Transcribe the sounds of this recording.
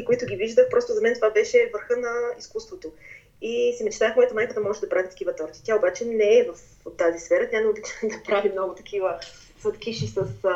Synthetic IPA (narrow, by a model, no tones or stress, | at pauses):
koit̪ʊɡʲiviʒd̪əxpɾɔst̪ʊzɐmɛnt̪ovabɛʃɛvəɾxɤnɐiskust̪vot̪o | isɛmɛt͡ʃt̪afmɔjət̪ɐmajkəd̪ɐmɔʒɛd̪ɐpɾavit̪ɐ̥kʲivət̪oɾt̪i̥t̪jaobat͡ʃɛnɛːvɐf | t̪ːazisfɛɾət̪ɾʲanɛobit̪ad̪ɐpɾavimnɔɡʊt̪ɐ̥kʰivə | sət̪kʲiʃisəs